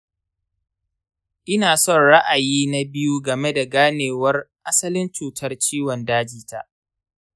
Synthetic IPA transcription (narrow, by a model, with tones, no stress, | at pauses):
ʔɪ˦naː˨sɔ˦˨nɽa˦ʔa˨jiː˦na˦bɪ˦ju˦ɡɐ˨me˦da˨ɡaː˦neː˨wɐ˦rʔa˦sɐ˦lɪ˦nt͡ʃuː˨tʰɐ˦rt͡ʃiː˦wɔ˨ndaː˦d͡ʒiː˨ta˦ʔ